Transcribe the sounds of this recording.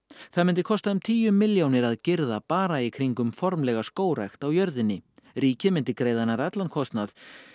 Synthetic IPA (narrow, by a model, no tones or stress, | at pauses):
θaðmɪnt̪ɪkʰɔst̪aʏmt̪ʰiːjʏmːɪljownɪɾaðcɪɾðapaːɾaikʰɾiŋkʏmfɔɾmlɛɣaskoːwɾraxt̪awjœɾðɪnːɪriːcɪmɪnt̪ɪkɾeːjðanaɾɛt̪lankʰɔst̪nað